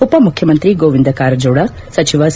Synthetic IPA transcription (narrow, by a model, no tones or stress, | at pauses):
upɐmukʰjɐmɐnt̪ɾiɡoːʋind̪ɐkaːɾɐd͡ʒɐːɽɐ | sɐt͡ʃiʋɐs